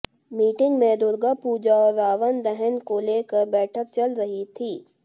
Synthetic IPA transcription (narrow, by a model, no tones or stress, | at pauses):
miːʈɪ̃ŋɡmẽd̪ʊɾɡapuːd͡ʒaɔːɾːaːʋənd̪ɛɦənkoleːkəɾbɛːʈʰək̚t͡ʃɐlɾɐɦit̪ʰiː